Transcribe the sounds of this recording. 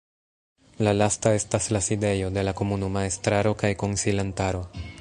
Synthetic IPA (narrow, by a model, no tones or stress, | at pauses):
lalastae̞staslaside̞jo̞de̞lako̞munumaestɾaɾo̞kajko̞nsilantaɾo̞